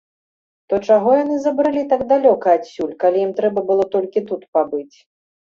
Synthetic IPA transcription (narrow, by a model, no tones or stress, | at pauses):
t̪ɔt͡ʂaɣɔjanɨzɐbɾɨlʲit̪aɡd̪alʲɔkɐːsʲulʲkalʲijimt̪ɾɛbɐbɨlˠɔt̪ɔlʲkʲit̪ut̪pabɨt͡sʲ